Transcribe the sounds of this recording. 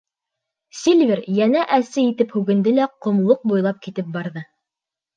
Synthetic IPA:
sʲilʲvʲeɾjænæʔæsɘit̪ɘphʉɡɘ̆nd̪ɘlæqŏmlˠoq̚bujlˠɑp̚kit̪ɘp̚bɑɾðɤ

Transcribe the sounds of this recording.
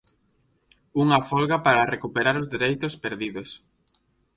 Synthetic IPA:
uŋafolɣapaɾarekupeɾaɾozðeɾejt̪ospeɾðiðos

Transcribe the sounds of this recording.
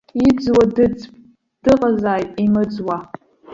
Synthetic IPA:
id͡zwadɨd͡zpʼ | d̥ɨqʼazaːjtʼimɨd͡zwa

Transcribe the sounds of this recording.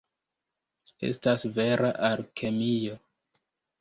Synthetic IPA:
e̞̰stasve̞ɾaʔaɾkʰe̞mijo

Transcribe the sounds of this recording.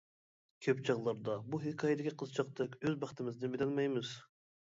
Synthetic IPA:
kʲʰøpt͡ʃʰɑʁlˠɑɾd̪ɑbuɦekʰɑːjed̪ɪkʲʰiqʰəzt͡ʃʰɑq̚t̪ɨkʲøzbɑχt̪ʰɪmɪzd̪ɪbɪlɑnmɑjmɨz̥

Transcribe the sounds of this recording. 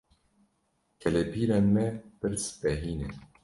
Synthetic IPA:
kʰɛlɛpiːɾaːnmɛpɨɾsbɛɦiːnɨ

